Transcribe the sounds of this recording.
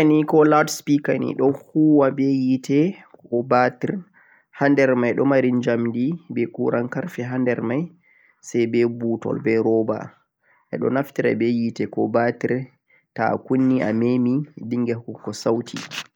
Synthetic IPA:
anikɔladspikanḭɗɔhuːwabɛjitʰɛkɔbatiɾ | handɛɾmajɗɔmaɾind͡ʒamdibɛkuɾankaɾfɛɦandɛɾmaj | sajbɛbutɔ̰lbɛɾɔba̰ | ʔɛ̰ɗɔ̰naftiɾɛ̰bɛjitɛkɔbatiɾ | ta̰kunːiʔa̰memidiŋɡɛhkːukːɔsawtʰḭ

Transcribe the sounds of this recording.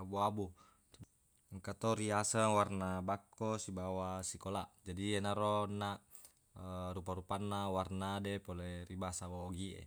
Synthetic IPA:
abuabu | ŋkat̪ɔɾiasəwarnabakːɔsibawasikolaʔd͡ʒadienaɾɔnːaʔ | əɾupaɾupanːawarnadɛpolɛribasaboːɡiʔḛ

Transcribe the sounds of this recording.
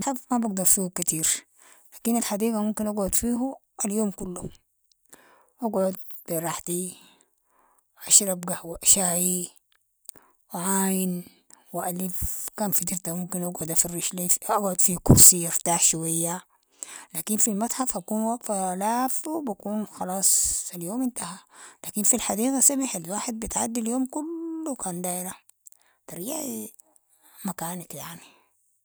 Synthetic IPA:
at̪ħafmabaɡ̚d̪ɑɾˤfiːhukat̪iːɾ | laːkinalħad̪iːɡamumkinʔaɡʕʊd̪fiːɦu | aljoːmkulːu | ʔaɡʕʊd̪̚b̥iɾˤɑħt̪i | wʔaʃɾˤabɡahwiʔaʃaːji | wʕaːjin | wɪʔalifkaːnfit̪ɪɾt̪amumkinʔaɡʕʊd̪afɑrːiʃliaɡʕʊd̪fikuɾsiɪɾt̪aːħʃuwajːa | laːkinfilmat̪ˤħafhakuːnwafalaːfwbakuːnxɑlɑːsˤaljoːmɪnt̪ahalaːkinfilħad̪iːɣasamaħalwaːħed̪̚bit̪ʕad̪ːiljoːmkulːukaːnd̪aːʔɾa | t̪ɑɾiːʕ | makaːnakjaʕni

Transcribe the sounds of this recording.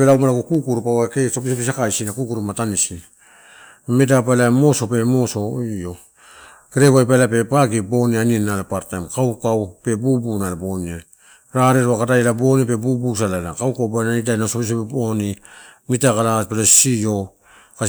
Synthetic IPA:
eɾaumaɾaɡokukuɾupawakesopis̬opisakajsinakukuɾumatanisi | medapalamo̞so̞pe̞mo̞so̞io̞ | keɾeβajbalape̞paɡibo̞nianienːalapaɾtamkawkawpe̞bubunalabo̞nia | ɾaɾeɾoakadajelabo̞nipe̞bubus̬alala̰kawkawbanaidajnasopis̬opebonimitakalapelosijo̞ | ka

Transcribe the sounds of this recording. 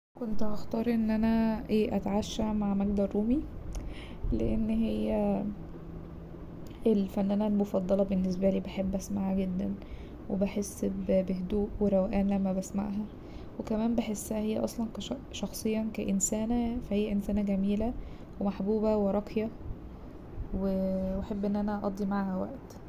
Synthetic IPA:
kont̪ʔɑxt̪ɑːɾˤʔenːʔænæʔeːʔæt̪ʕaʃːæmaʕmæɡd̪ɑrˤːuːmi | lḛʔenːɦejːæ | ʔelfænːænæːlmofɑd̪ˤːɑlɑbenːes̬bæliːbeħebːʔæsmaʕæɡed̪ːæn | webeħesːbbeɦd̪uːʔweɾˤæwʔæːnlæmːæbæsma̰ʕɦæ | wekæmæːmbeħesːhæhejːæ̰ʔɑ̰sˤlɑnkæʃɑxsˤejːɑnkæʔensæːnæfæhejːæʔensæːnæɡæmiːlæ | wemaħbuːbæweɾˤɑqjæ | weweħebːʔenːʔænæʔɑʔɑ̰d̪ˤːimaʕhæwæ̰ʔt̪

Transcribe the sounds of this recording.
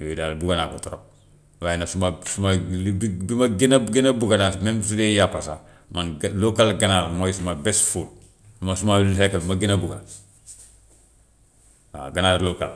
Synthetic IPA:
ojidalbuɡanakotoɾo̰p̚ | wajnasumasumabbimaɡenaɡenabuɡanamembisudejapasa | manlokalɡanaːɾmajisumabesful | numasumalsekabimaɡinabuɡa̰ | a̰ɡanaːɾloka̰l

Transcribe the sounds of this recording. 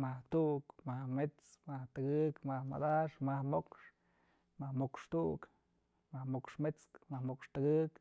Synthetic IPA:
maht̪uʔkmahmet͡smaht̪ɨɡɨkmahma̰d̪aʂmahmokʂ | mahmokʂt̪uʔk | mahmokʂmet͡skmahmokʂt̪ɨɡɨk

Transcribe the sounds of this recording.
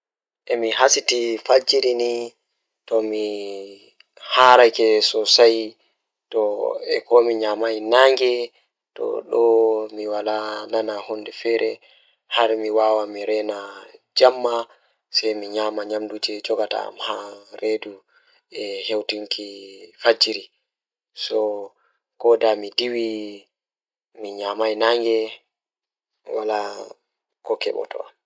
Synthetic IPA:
ʔɛmiɦasitifad͡ʒiɾini | tɔmi | haɾajkɛsɔsaj | tɔɛ̰kɔmiɲamajnaŋɡɛ | tɔ̰ɗɔmiwalananahundɛfɛɾɛ | haɾmiwawamiɾɛnad͡ʒamːa | sɛjmiɲaːmaɲamdud͡ʒɛd͡ʒɔɡata̰a̰mhaɾedu | ɛhewtiŋkʰifad͡ʒiɾi | sɔ | kɔdamidiwi | miɲamajnaŋɡɛ | wala | kɔkɛ̰ɓɔ̰tɔ̰am

